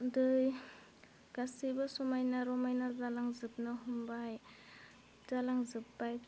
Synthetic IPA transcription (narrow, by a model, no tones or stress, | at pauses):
dɯj | ɡ̥asibasɔmajnaɾɔmajnazalaŋzɯp̚nɯɦumbaj | zalaŋzɯpːaj